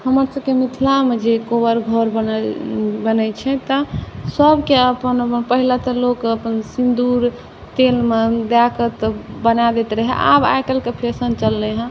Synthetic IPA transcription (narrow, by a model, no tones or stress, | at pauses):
həməɾsəb̚kemit̪ʰlamed͡ʒekobəɾɡʱəɾbən | bənət͡ʃʰɛt̪əsəbʱkeəpənpəɦilat̪ɔlokəpənsind̪uɾ | t̪elmed̪jakət̪bənad̪et̪ɾəɦɛ̰ʔa̰ba̰jkəlkepʰesənt͡ʃəlːɛɦə̃